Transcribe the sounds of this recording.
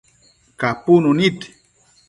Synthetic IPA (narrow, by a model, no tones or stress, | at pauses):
kapununit